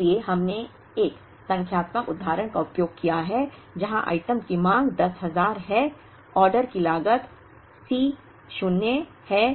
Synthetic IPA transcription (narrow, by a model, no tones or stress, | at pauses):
ieɦɐmne | eːk | sɐ̃ŋkʰjaːt̪məkʊd̪ʱːaːɾəɽ̃kaʊpjoːɡ̚kijaɦɛd͡ʒɐɦãʔa̰ːɪʈəmkimãːŋɡd̪ɐsɦɐzaːɾɦɛ | ɔːɾɖəɾkilaːɡət̪ | siː | ʃʊnːe | hɛː